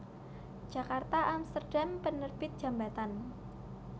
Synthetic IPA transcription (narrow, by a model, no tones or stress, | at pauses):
d͡ʒ̥akart̪aʔamst̪ərd̥ampənərb̥ɪt̪̚ʒ̥a̤mbat̪an